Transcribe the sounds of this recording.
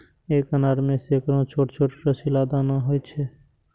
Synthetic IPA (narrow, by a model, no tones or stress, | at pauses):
eːkənaɾmẽsekɾõt͡ʃʰoːʈt͡ʃʰoːʈɾəsilaːd̪anaɦojt͡ʃʰe